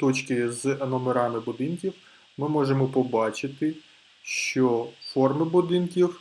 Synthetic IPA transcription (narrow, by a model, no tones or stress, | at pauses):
t̪ɔt͡ʃkɪznɔmeɾɑmɪbʊd̪ɪnkʲiw | mɪmɔʒemɔpɔbɑt͡ʃɪt̪ɪ | ʃt͡ʃɔfɔrmɪbʊd̪ɪnkʲiw